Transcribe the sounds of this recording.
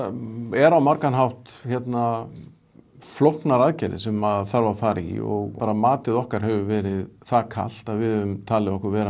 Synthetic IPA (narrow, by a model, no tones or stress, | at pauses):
ɛɾawmaɾkanɦawht̪çɛt̪na | flɔhknaɾaðcɛjɾɪ̰sɛmaðθaɾvafaːɾḭɔ̰ɣpaːɾamaːt̪ɪðɔhkaɾ̥ɦɛvʏvɛːɾɪðθakʰa̰l̥t̪aðvɪðhɛvʏmt̪ʰaːlɪɔhkʏɾvɛːɾa